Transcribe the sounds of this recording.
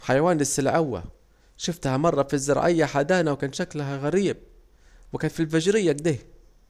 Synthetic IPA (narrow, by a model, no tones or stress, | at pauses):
ħajawaːnlɪsːɪlʕawːa̰ | ʃʊft̪hamɑrˤːɑfizːɪɾˤɑ̰ʕɪjːaħad̪aːnawkaːnʃaklɦaɣaɾiːb̚ | wɪkaːnfilfaʒɾɪjːaɡd̪eː